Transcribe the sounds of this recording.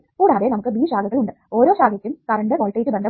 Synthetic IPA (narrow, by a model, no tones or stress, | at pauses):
puːɽaːðenɐmukːɨbiːɕaːɡɐɣɐɭuɳɖɨ | o̞ːɾo̞ːɕaːɡɐkʲːumkɐɾɐɳɖeʋoːɭʈːɐjkːɨbɐɳɖ̪ɐ